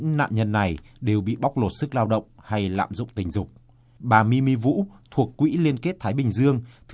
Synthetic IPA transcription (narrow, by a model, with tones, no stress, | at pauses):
ŋna̰ː˧˨mɲə˧nːa˨˩jɗe˨˩wɓḭ˧˨ɓa˦˥wk͡p̚lo˨˩t̚sɨ˦˥k̚laː˧wɗə̰˧˨wŋ͡mha˧jla̰ː˧˨mzʊ̰˧˨ŋ͡mt̪ï˨˩ŋ̟zʊ˨˩k͡p̚ | ɓaː˨˩mi˧mi˧vṵ˧˥t̪ʰu˨˩əkːwḭ˧˥li˧ənke˦˥t̚t̪ʰaː˨˦jɓï˨˩ŋ̟zɨ˧əŋt̪ʰ